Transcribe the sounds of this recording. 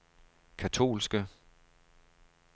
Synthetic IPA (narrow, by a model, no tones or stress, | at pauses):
kʰæt͡sʰo̝̰ːlsɡ̥ə